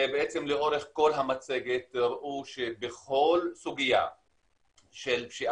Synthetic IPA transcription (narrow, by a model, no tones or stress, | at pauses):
beʔet͡se̞mleʔo̞ʁe̞χko̞lɦamat͡se̞ɡet̪ʁaʔuʃebeχo̞lsuɡija̰ | ʃelʃi